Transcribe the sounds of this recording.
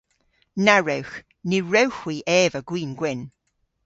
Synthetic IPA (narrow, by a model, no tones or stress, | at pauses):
naɹɛwx | niɹɛwxwiːʔɛːvəɡ̥wiːnɡwɪn